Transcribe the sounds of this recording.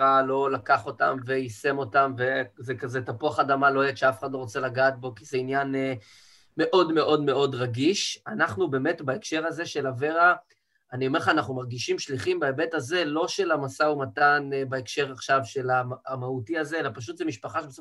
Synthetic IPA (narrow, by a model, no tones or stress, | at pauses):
alo̞lakaχo̞ta̰mve̞ise̞mo̞tamve̞zekazetapuaχadamalo̞et̪ʃeafeχad̪lo̞ʁot͡selaɡaːt̚bo̞kizeinjan | me̞ʔo̞dme̞ʔo̞dme̞o̞dʁaɡiʃanaχnube̞metbaekʃe̞ʁaze̞ʃe̞lave̞ʁa | anio̞me̞ʁχaːnaχnumaʁɡiʃimʃliχimbaebe̞taze̞lo̞ʃe̞lamasaumatanbaekʃe̞ʁaχʃavʃe̞laːmautiazeelapaʃ̬ut̪zemiʃpaχaʃbeso